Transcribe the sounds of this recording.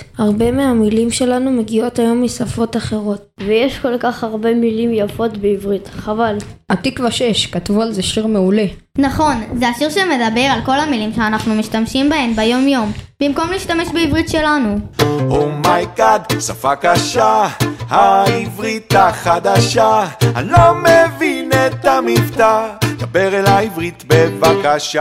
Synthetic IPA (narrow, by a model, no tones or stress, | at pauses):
haʁbe̞meamilimʃe̞lanume̞ɡio̞tajo̞mːisafo̞taχe̞ʁo̞t̚vejeʃko̞lkaχaʁbe̞milimjafo̞tbeivʁit̪χavalatikvaʃeʃkatvualzeʃiʁme̞ule̞ | naχo̞nzeaʃiʁʃeme̞d̪abe̞ʁalko̞lamilimʃeanaχnumiʃtamʃimbahe̞mbejo̞mjo̞mb̥imko̞mliːʃtame̞ʃbeivʁitʃelanuhomajkad̪safakaʃahaivʁit̪aχad̪aʃaanlomevinet̪amivtad̪abeʁelaivʁit̪bevakaʃa